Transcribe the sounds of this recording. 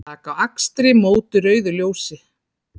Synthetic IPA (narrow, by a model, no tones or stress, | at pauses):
aːkawakst̪ɾɪmoːwt̪ʏɾœːɥðʏljoːwsɪ